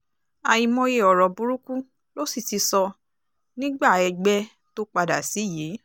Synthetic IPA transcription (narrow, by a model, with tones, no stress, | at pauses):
a˧˨ji˧mɔ̃˧je˧ɔ˨ɾɔ˨bu˧ɾu˦ku˦ | lo˦si˦˨ti˧sɔ˧ | nĩ˦ɡ͡ba˦˨ɛ˧ɡ͡bɛ˦ | to˦k͡pa˧da˨si˨˦ji˨˦